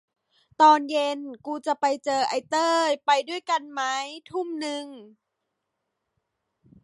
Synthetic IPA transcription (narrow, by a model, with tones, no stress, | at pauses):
t̪ɔː˧nje˧nkuː˧t͡ɕa˨˧˩pa˧jt͡ɕɤː˧ʔa˧jt̪ɤː˥˩pa˧jdu˥˩əjka˧nma˦˥jt̪ʰu˥˩mnɯ˧ŋ